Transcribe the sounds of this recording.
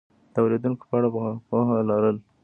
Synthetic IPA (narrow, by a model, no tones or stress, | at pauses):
t̪awɾid̪uŋko̥pəaɽabpoɦalɑɾəl